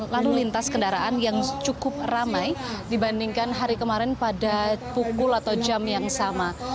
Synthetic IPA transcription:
lalulint̪askəndaɾaʔanjaŋt͡ʃukʊp̚ramajdibandiŋkanɦaɾikəmaɾɛnpadapukʊlat̪awd͡ʒamjaŋsama

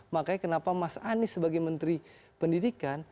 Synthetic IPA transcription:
makajkənapamasanɪsəbaɡajmənt̪ɾipəndidikan

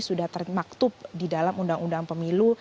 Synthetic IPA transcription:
sudaht̪ərmak̚t̪ʊp̚didalamundaŋundaŋpəmilu

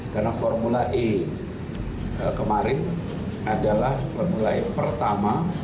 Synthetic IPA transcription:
karnafɔrmulaʔɪ | əkəmaɾɪn | adalahfɔrmulaɪpərt̪ama

